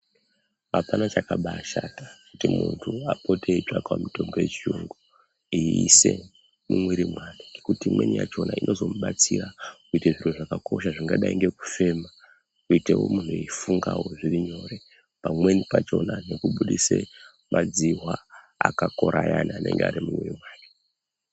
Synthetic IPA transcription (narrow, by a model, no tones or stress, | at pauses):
apanat͡ʃakaɓaʃatakutimuntʰuapo̞tʰeit͡ʂakamito̞mbo̞jet͡ʃiuŋɡu | iise | mimwiɾimwaniŋɡekutimwe̞nija̰t͡ʃo̞nainʔo̞zo̞muɓat͡sirakuiteʐin̤uʐakako̞ʃaʐiŋɡaɗaiŋɡe̞ku̥fe̞ma | kuite̞wo̞̰muntuifuŋɡawo̞ʐiriɲo̞ɾe | pamwe̞nipat͡ʃo̞nane̞kuɓuɗise | mʔad͡ziwa | akako̞ɾʔajanaːne̞̰ŋɡeaɾimumwirimwaːri